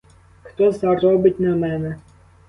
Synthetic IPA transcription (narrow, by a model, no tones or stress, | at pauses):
xt̪ɔzɑrɔbɪtʲnɛmɛnɛ